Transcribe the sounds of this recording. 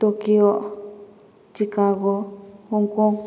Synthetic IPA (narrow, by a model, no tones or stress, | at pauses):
t̪okio | t͡ʃikaɣouŋkõ